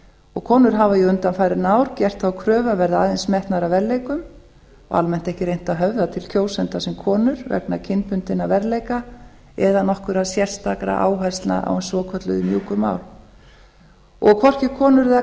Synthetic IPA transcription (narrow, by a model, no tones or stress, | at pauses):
ɔɣkʰɔːnʏɾɦavajʏʏnt̪anfajɾɪɾnaːwɾ̥cɛr̥t̪θakʰɾœːvavɛɾðaaːðensmɛht̪naɾavɛɾlejkʏm | ɔ̰ɣa̰lmɛn̥t̪ɛhcɪɾejn̥t̪aðɦœvðat̪ʰɪlcʰoːwsɛnt̪asɛmkʰɔːnʏɾvɛ̰k̚nacʰɪnpʰʏnt̪ɪnavɛɾlejka | ɛðanɔhkʏɾaðsjɛr̥st̪akɾa̰ʔa̰ːwɦast̪lna̰ʔa̰wɛnsvɔkʰœt̪lʏ̰ðʏmjuːkʏma̰ːwl | ɔɣkʰɔr̥cɪkʰɔːnʏɾa